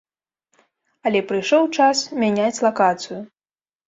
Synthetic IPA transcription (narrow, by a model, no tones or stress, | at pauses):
ɐlʲɛpɾɨjʂɔwt͡ʂasmʲanʲat͡sʲlˠakat̪sɨju